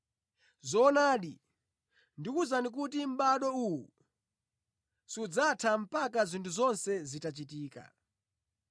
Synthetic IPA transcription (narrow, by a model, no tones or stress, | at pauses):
zɔnaːɗi | ndikuzanik̬utim̩ɓaɗɔuu | siud͡zatʰam̩pakazintʰuzɔnsɛzitat͡ʃitiːka̰